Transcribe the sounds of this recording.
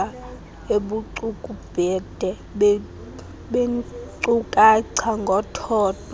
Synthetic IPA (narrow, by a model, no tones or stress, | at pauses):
a | eɓuǀukʼub̥ʱɛd̥ʱɛ | ɓ | ɓeǀukʼaǀʰaŋɡʱɔtʰɔːtʰɔ